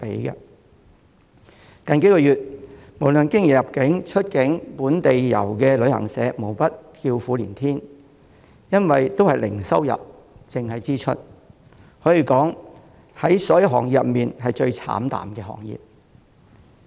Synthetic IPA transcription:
pe˨˥jkɐ̰˧ | kɐ˨nke˨˥jkɔː˧jyː˨t̚mo˨˩wlɵ˨nkɪ˥ŋjɛː˨jɐ˨p̚kɪ˨˥ŋt͡ʃʰɵ˥t̚kɪ˨˥ŋpuː˨˥nt̪e˨jjɐ̰˨˩wkɛː˧lɵ˨˧ɥhɐ̰˨˩ŋsɛ̰ː˨˥mo˨˩wpɐ˥t̚t̪ʰiː˧wfuː˨˥liː˨˩nt̪ʰiː˥n | jɐ˥nwɐ˨jt̪o˥whɐ˨jlɪ̰˨˩ŋsɐ˥wjɐ̰˨p̚ | t͡sɪ˨ŋhɐ˨jt͡siː˥t͡ʃʰɵ̰˥t̚ | hɔː˨˥jiː˨˧kɔː˨˥ŋ | hɐ˨˥jsɔː˨˥jɐ˧wɦɔː˨˩ŋji˨jɐ˨p̚miː˨nɦɐ˨jt͡ʃɵ˧ɥt͡sʰa̰ː˨˥mt̪a̰ː˨mkɛː˧hɔ̰ː˨˩ŋjḭː˨p̚

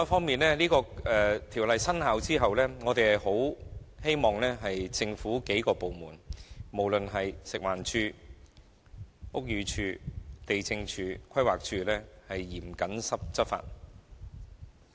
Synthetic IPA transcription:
ɔ˦˥fɔː˥ŋmiː˨nlɛː˥liː˥kɔː˧ɛː˨t̪ʰiː˨˩wlɐ˨jsɐ˥nhaː˨˥wt͡siː˥ɦɐ˨wlɛː˥ŋɔː˨˧t̪e˨jɐ˨jho˨˥whe˥jmɔː˨˩ŋlɛː˥ɦɐ˨jt͡sɪ˧ŋfuː˨˥ke˨˥jkɔː˧po˨wmuː˨˩nmo˨˩wlɵ˨nɦɐ˨jsɪ˨k̚waː˨˩nt͡ʃʰyː˧ | ʔʊ˥k̚jyː˨˧t͡ʃʰyː˧t̪e˨jt͡sɪ˧ŋt͡ʃʰyː˧kʷʰɐ˥jwaː˨k̚t͡ʃʰyː˧lɛː˥hɐ˨jːiː˨˩mkɐ˨˥nsɐ˥p̚t͡sɐ˥t̚fa̰ː˧˨t̚

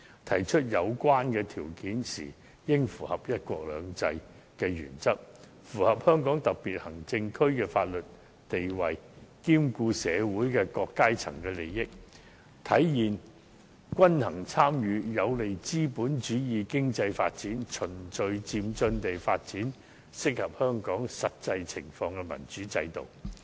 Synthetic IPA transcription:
t̪ʰɐ˨˩jt͡ʃʰɵ˥t̚jɐ˨˧wkʷwaː˥nkɛː˧t̪ʰiː˨˩wkiː˨˥nsḭː˨˩ | jɪ˥ŋfuː˨˩hɐ˨p̚jɐ˥t̚kʷɔː˧k̚lœ̰ː˨˧ŋt͡sɐ˧j | kɛː˧jy̰ː˨˩nt͡sɐ˥k̚ | fuː˨˩hɐ˨p̚hœː˥ŋkɔː˨˥ŋt̪ɐ˨k̚piː˨t̚hɐ˨˩ŋt͡sɪ˧ŋkʰɵ˥ɥkɛː˧faː˧t̚lɵ˨t̚ | t̪e˨jwɐ˨˩jkiː˥mkuː˧sɛː˨˧wuː˨˥jkɛː˧kɔː˧kːaː˥jt͡sʰɐ̰˨˩ŋkɛː˧le˨jːɪ˥k̚ | t̪ʰɐ˨˥jjiː˨˩n | kʷɐ˥nhɐ˨˩ŋt͡sʰaː˥mjyː˨˧jɐ˨˧wle˨jt͡siː˥puː˨˥nt͡ʃyː˨˥jiː˨˧kɪ˥ŋt͡sɐ˧jfa̰ː˧t̚t͡siː˨˥nt͡ʃʰɵ˨˩nt͡sɵ˧ɥt͡siː˧mt͡sɵ˧nt̪e˨jfaː˧t̚t͡siː˨˥n | sɪ˥k̚hɐ˨p̚hœː˥ŋkɔː˨˥ŋsɐ˨t̚t͡sɐ˧jt͡sʰɪ˨˩ŋfɔː˧ŋkɛ˧mɐ̰˨˩nt͡ʃyː˨˥t͡sɐ̰˧jt̪o̰˨w

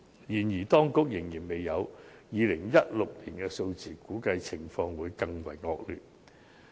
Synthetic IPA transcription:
jiː˨˩njiː˨˩t̪ɔː˥ŋkʊ˨˥k̚jɪ˨˩ŋjiː˨˩nme˨jːɐ˨˧w | jiː˨˧lɪ˨˩ŋjɐ˥t̚lʊ˨k̚liː˨˩nkɛː˧so˧wt͡siː˨kuː˨˥kɐ˧jt͡sʰɪ˨˩ŋfɔː˧ŋwuː˨˧jkɐ˧ŋwɐ̰˨˩jŋɔː˧k̚ly̰ː˨˩t̚

